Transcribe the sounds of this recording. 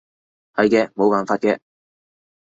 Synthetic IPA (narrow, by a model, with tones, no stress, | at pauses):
hɐ˨˧jkɛː˧mo˨˧waː˨˧nfaː˧t̚kɛː˧